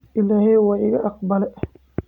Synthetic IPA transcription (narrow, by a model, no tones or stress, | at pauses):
ʔɪlaːhɛjwɑːɪɣɐʔɑq̚bɐlɛʔɐ